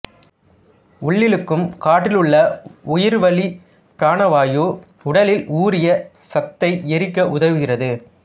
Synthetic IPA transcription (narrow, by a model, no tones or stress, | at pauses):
ʊɭːɪlɯkːɯmkaːʈːɪlɯɭːɐʊjɪɾʋɐɭi | pɪɾaːɳɐʋaːjoː | ʊɽɐlɪluːɾɪjɐ | sɐt̪ːɐɪɛɾɪkːɐʔʊðɐʋɯɣɪrɐðɯ